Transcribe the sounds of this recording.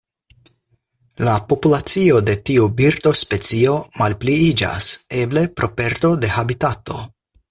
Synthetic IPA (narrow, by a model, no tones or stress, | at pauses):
lapo̞pulat͡sio̞de̞tiubiɾdo̞spe̞t͡sio̞malpliid͡ʒa̰se̞ble̞pɾʔo̞pe̞ɾto̞de̞habitato̞̰